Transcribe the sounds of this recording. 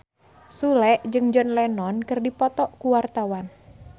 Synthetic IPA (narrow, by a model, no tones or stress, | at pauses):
sulɛʔd͡ʒɨŋd͡ʒɔnlɛnɔnkɨrdipɔt̪ɔʔkuwart̪awan